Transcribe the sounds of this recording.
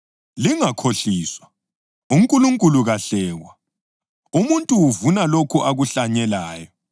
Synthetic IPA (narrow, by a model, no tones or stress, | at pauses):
liŋakʰoɬiːswa | uŋkʼuluŋkʼuluɣaɬɛːwa | umuntʼuwuvunalokʰuʔaɣuɬaɲɛlaːjɔ